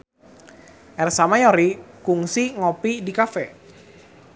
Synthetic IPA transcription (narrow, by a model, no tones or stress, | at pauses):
ʔɛrsamajɔɾikuŋsiŋɔpidikafɛ